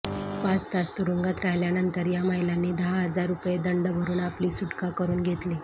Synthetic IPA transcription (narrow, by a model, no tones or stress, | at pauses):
past̪ast̪uɾuŋɡat̪ɾaɦljanənt̪əɾjamajlanːiːd̪əɦaɦəd͡zaɾːupjed̪əɳɖəbʱəɾuːnapliːsuʈkakəɾuːnɡʱet̪liː